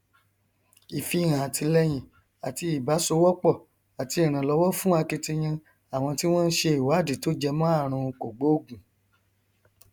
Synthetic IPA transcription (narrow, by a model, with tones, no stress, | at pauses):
i˨fi˧˨ɾ̃ã˨a˨ti˧lɛ˦j̃ĩ˨ | a˨ti˧i˨ba˨˦so˧wɔ˦k͡pɔ˦˨ | a˨ti˧i˨ɾ̃ã˨lɔ˧˦wɔ˦fũ˦a˧ke˧ti˧j̃ã˧ | a˨w̃ɔ̃˧ti˦w̃ɔ̃˦n̩˦ʃe˧i˨wa˨˦˨di˨to˦d͡ʒɛ˧mɔ̃˦a˦˨ɾ̃ũ˧ko˨ɡ͡bo˨˦o˦˨ɡũ˨